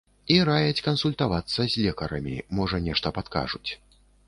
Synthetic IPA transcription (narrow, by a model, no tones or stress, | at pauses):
iɾajɐt͡sʲkɐnsulʲt̪avat̪sːɐzʲlʲɛkɐɾɐmʲḭmɔʐɐnʲɛʂt̪ɐpat̪ka̰ʐut͡sʲ